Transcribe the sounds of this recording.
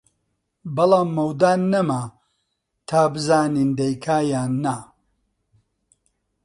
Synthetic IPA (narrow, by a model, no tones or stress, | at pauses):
bɐlaːmːɐwd̪aːnːɐma | t̪ʰaːbɨzaːniːnd̪ɐjkʰaːjaːnːa